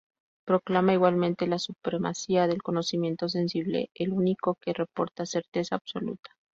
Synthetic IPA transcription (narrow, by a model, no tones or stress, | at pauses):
pɾo̞klamaiɣwalmẽ̞nt̪e̞lasupɾe̞ma̰siaðe̞lko̞no̞simjẽ̞nt̪o̞s̬e̞nsiβlḛeluniko̞ke̞re̞po̞̰ɾt̪ase̞ɾt̪e̞saːβso̞lṵt̪ḁ